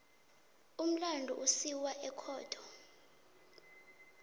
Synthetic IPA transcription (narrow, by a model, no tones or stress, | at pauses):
um̩landʱṵʔusiwaʔɛkʰɔːtʰɔ̥